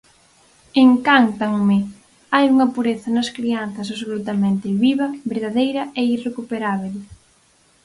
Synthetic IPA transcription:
eŋkant̪aŋmɪ | ajuŋɐpuɾeθɐnɐskɾianθɐs̬aβsolut̪ɐmẽnt̪ɪβiβɐβeɾðaðejɾɐeirekupeɾaβ̞el

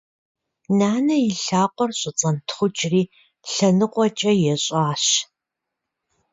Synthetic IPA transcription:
naːnɐjɪɬaːqʷʼɔrɕʼɪt͡sʼɐntʰχʷʊt͡ʃʼriː | ɬɐnɨqʷʼɔt͡ʃʼɐjɛɕʼaːɕ

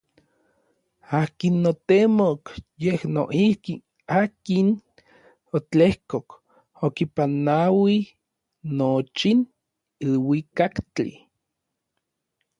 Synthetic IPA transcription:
aːkinːot̪emokjehno̰ʔihki | aːkin | ot͡ɬehkok | okipanawi | not͡ʃin | ilwikakt͡ɬḭ

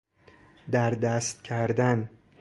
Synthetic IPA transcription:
d̪æɾd̪æst̪cʰæɾd̪æn

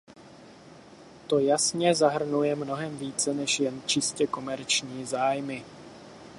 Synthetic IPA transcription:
t̪o̞jasɲɛzaɦr̩nujɛmno̞ɦɛmviːt͡sɛnɛʃjɛnt͡ʃɪscɛko̞mɛɾt͡ʃɲiːzaːjmɪ

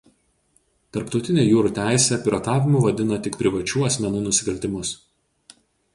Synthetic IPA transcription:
t̪ɐɾpt̪ɒʊt̪ʲɪnʲeːjuːɾuːˑt̪ʲæˑɪsʲeɐpʲɪɾot̪ɑːʋʲɪmʊʋɐd̪ʲɪnɐt̪ʲɪkpʲɾʲɪʋɐt͡ʃʲuːɐsʲmʲɛnuːnʊsʲɪkɐlʲt̪ʲɪmʊs

